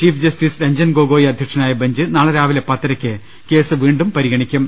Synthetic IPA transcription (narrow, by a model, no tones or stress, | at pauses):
t͡ɕiːfd͡ʑɐstiːsɾɐɲd͡ʑɐnɡoːɡo̞ːjiɐd̪ʱjɐkʂɐnaːjɐbɐɲd͡ʑɨnaːɭɐɾaːʋilepɐt̪ːɐɾɐkʲːɨ | ke̞ːsɨʋiːɳɖumpɐɾiɣɐɳikʲːum